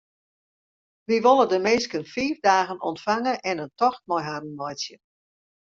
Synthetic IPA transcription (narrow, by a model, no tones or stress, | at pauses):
ʋiʋolˠədəmɪnskənfiːvdaːɣənɔ̰ntfaŋəʔɛnəntɔxt̚mɔjɦadən̩mɔjsjə